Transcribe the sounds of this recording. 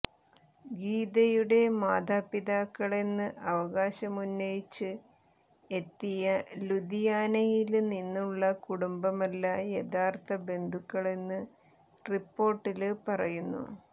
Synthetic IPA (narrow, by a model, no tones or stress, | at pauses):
ɡiːd̪ɐjuɽe̞maːd̪ʱaːpːiðaːkːɐɭe̞nːɨʔɐʋɐɣaːɕɐmunːɐjit͡ɕːɨ | e̞t̪ːijɐlud̪ijaːnɐjilninːuɭːɐkuɽumbɐmɐlːɐje̞d̪aːrt̪ɐbe̞nd̪ʱukːɐɭe̞nːɨ | ripːo̞ːrʈːilpɐrɐjunːṵ